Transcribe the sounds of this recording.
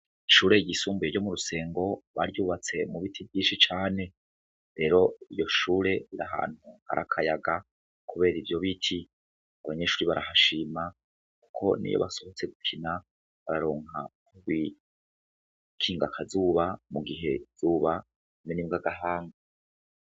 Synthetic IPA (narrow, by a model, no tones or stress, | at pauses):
ʃuːɾe̞ɟisuːmbuje̞ɾɟo̞muɾuse̞ːŋɡo̞βa̰ɾjuːβat͡se̞muβitʰibɟiːʃit͡ʃaːne̞ | ɾe̞ːɾo̞ijo̞ʃuːɾe̞iɾaɦa̰ːn̥huha̰ɾʔakʰajaɡa | kuβe̞ːɾivjo̞βitʰi | aβaɲe̞ʃuːɾiβaɾʔahaʃima | ku̥kʰo̞̰nḭjo̰βa̰so̞hot͡se̞ɡukʰina | βaɾaɾo̞ːŋa̰kuβi | kʰiːŋɡakʰazuːβamuɡiɦe̞z̥uːβa | menimɡaɡaɦaːŋɡa